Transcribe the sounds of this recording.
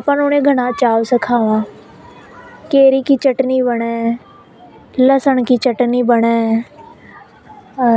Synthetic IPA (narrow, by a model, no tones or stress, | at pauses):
apãːnonẽːɡʱəñãːt͡ʃaːʋsəkʰaːʋãː | keːɾiːkiːt͡ʃəʈniːbəɽẽː | ləsəɳkiːt͡ʃəʈniːbəɽeː